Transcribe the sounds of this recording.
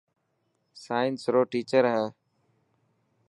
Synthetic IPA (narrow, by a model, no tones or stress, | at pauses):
saːɪnsɾoːʈiːt͡ʃəɾɦɛː